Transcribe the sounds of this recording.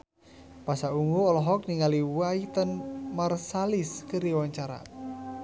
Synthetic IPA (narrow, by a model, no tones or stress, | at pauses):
pasauŋuɔlɔɦɔk̚niŋaliwait̪ənmarsaliskəɾiwaɲt͡ʃaɾa̰